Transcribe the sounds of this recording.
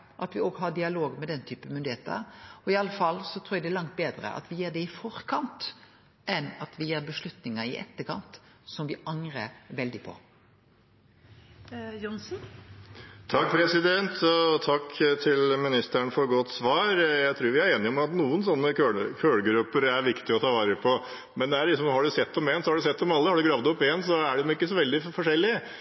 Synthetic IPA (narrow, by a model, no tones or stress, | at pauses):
ʔɑt̪ʋɪɔɡɦɑɖɪɑloːɡmɛd̪ɛnːt̪ʰyːpəmʏnd̪ɪheːt̪ə̰ɾɔɪɑlːəfɑlːsɔt̪ʰɾuːjɛɡd̪ɛælɑŋt̪̚beːd̪ɾə̰ʔɑ̰t̪ʋɪjeːɖɛɪfɔɾkʰɑnt̪ | ɛnɑt̪ʋɪjeːɾbəʂlʉt̪nɪŋəɾɪ̰ʔɛ̰t̪ːəkʰɑnt̪ | sɔmʋɪʔɑŋɾəɾʋɛld̪ɪpʰɔ̰ | jɔnsn̩ | t̪ʰɑkːpʰɾɛsɪd̪ɛnt̪ʰɔt̪ʰɑkːt̪ʰɪlmɪnɪst̪əɳfɔɾɡɔt̪ːsʋɑːɾjæɪt̪ʰɾʉːɾʋɪæɾeːnɪɔmɑt̪nuːənsɔnːəkøːɭkʰøːɽɡɾʉpːəɾæɾʋɪkt̪ɪɔt̪ʰɑːʋɑːɾəpʰɔ | mɛnd̪ɛæɭɪksɔmhɑɖʉsɛt̪ːɔmeːnsɔhɑɖʉsɛt̪ːɔmɑlːəhɑɖʉɡɾɑːʋd̪ɔpːɪeːnsɔæɖɛmɪkːəsɔʋɛld̪ɪfɔʂɛlːɪ